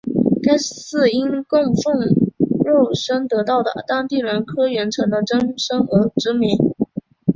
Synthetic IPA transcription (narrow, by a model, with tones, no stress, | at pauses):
ka˥ɪsɹ̩˥˩i˥nkʊ˥˧ŋfʊ˥˧ŋɻo˥˩ʊʂə˥ŋt̪ɤ˧˥t̪ɑ˥˩ʊd̪ə̰˩t̪a˥ŋt̪i˥˩ɻə˧˥nkʰɤ˥ɥɛ˧˥nʈ͡ʂʰɤ˧˥ŋd̪ə˧ʈ͡ʂə˥ŋʂɤ˥ŋɤ˧˥ʈ͡ʂɻ̩˧˥mi˧˥ŋ